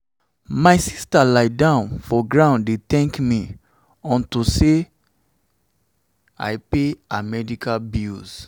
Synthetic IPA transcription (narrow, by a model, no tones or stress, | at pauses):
maɪsistalaɪdãʊ̃nfɔɡɹãʊ̃ndetɛ̃ŋkmi | ɔ̃ntuse | a̰ɪpeamɛdikalbjuz